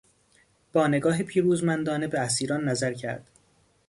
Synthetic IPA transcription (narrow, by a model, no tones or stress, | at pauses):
b̥ɒːne̞ɡɒːɦepʰiːɾuːzmænd̪ɒːne̞beæsiːɾɒːnːæzæɾcʰæ̰ɾd̪̥